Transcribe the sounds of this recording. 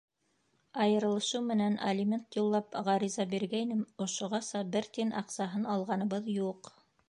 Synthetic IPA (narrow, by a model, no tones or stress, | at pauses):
ɑjɤ̆ɾɤ̆lˠɤ̆ʃɤwmɘ̆nænʔɐ̰lʲimʲent̪julˠːɑpʁɑɾizɑbiɾɡæjnɘmŏʃŏʁɑsɑbɘɾt̪inʔɑqsɑɦɤnɑlˠʁɑnɤ̆βɤðjuq